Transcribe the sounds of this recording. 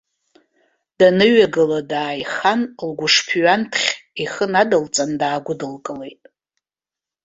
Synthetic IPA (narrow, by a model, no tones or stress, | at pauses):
d̥anɨɥaɡɨladaːjχanlɡʷʊʂpʰɥantʰχʲiχənadɨlt͡sʼandaːɡʷʊdɨlkʼɨle̞jtʼ